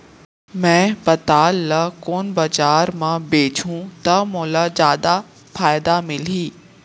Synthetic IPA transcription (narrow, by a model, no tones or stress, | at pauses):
mɛ̃ːpɐt̪aːlːakoːnbɐd͡ʒaːɾmãbeːt͡ʃʰũt̪ɐmoːlazjaːd̪a | faːɪd̪amɪliː